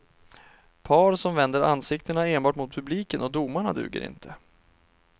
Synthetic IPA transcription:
pʰɑːɾsɔmvɛnd̪əɾansɪk̚t̪əɳaeːnbɑːʈmʊt̪̚pʰɵbliːkənɔd̪umaɳa̰d̪ʉ̟̰ːɡə̰ɾɪ̰nt̪ʰə

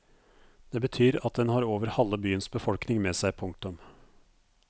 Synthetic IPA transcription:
d̪̥eːbət̪ʰyːɾɑt̪̚d̪ɛnhɑːɾoːʋəɾhɑlːəbyːənsbəfɔlknɪŋmeːsæɪpʰʊŋk̚t̪ʊm

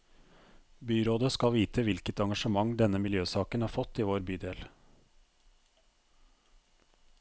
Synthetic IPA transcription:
byːɾoːd̪əskɑlʋiːt̪ʰəʋɪlkət̪ɑŋɡɑʃəmɑŋd̪ɛnəmɪljøːsɑːkənɑːɾfɔt̪ːiːʋoːɾbyːd̪eːl

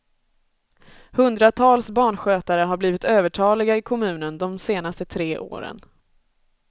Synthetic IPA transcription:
hɵnd̪ɾat̪ʰɑːlsbɑːɳɧøːt̪aɾəɦaɾbliːvɪt̪øːvəʈʰɑːlɪɡaɪkʰɔmʉ̟ːnənd̪ɔmseːnast̪ət̪ʰɾeːʔo̰ːɾə̰n

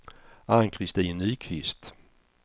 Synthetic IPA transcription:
aŋkʰɾɪst̪iːnyːkʰvɪst̪

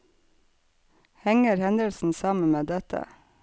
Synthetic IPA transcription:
hɛŋəɾhɛnd̪əlsn̩sɑːmən̩meːd̪ɛt̪ʰə̰

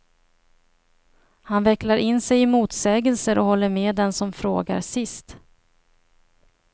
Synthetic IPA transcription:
hanvɛkːlaɾɪnːsɛjɪmuːt̪sɛːɡəlsəɾɔhɔlːəɾmeːd̪ɛnsɔmfɾo̰ːɡa̰ɾsɪst̪

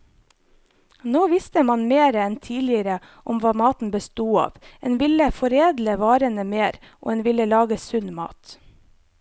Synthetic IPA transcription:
noːʋɪst̪əmɑnmeːɾəɛnt̪ʰiːlɪəɾə | ʔɔmʋɑːmɑːt̪n̩bəst̪uːɑ̰ːʋʔḛːnʋɪləfɔɾeːd̪ləʋɑːɾənəmeːɾ | ʔo̰ːeːnʋɪləlɑːɡəsʉnmɑ̰ːt̪

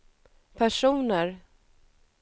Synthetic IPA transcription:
pʰæʂuːnəɾ

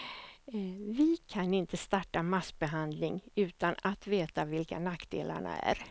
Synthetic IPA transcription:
vɪkʰanɪnt̪əst̪aʈːamasbɛɦand̪lɪŋʉ̟ːt̪anat̪veːt̪avɪlka̰nakːd̪ḛːla̰ɳa̰æ̰ɾ

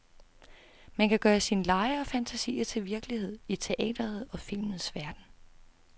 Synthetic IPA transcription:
mænkʰæɡ̥ɶːɐsinlɑ̈ɪəɒ̽fænt͡sʰæsḭːɐt͡sʰe̝lʋiɐɡ̥əlihe̝ð̞̰ˠit͡sʰe̝ʔɛ̰ːd̥ɐðˠɒ̽fil̰mn̩ˠsʋæɐd̥n̩

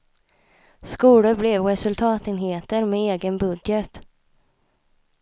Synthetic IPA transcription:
skuːləblɛvɾɛsɵlt̪ʰɑːt̪ɪnɦeːt̪əɾmɛeːɡənbɵd̪jət̪

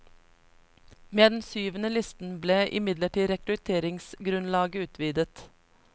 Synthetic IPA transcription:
meːd̪ɛn̩syːʋənəlɪst̪n̩bleːʔɪ̰mɪd̪ləʈiːɾɛkɾʉt̪ʰeːɾɪŋsɡɾʉnlɑːɡəʉːt̪ʰʋiːd̪ət̪

